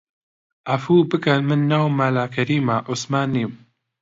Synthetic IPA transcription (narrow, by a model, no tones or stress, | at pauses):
ʔɐfuːbɨkɐnmɨnːaːwmaːlaːkʰɐɾiːmaʔʊsmaːniːm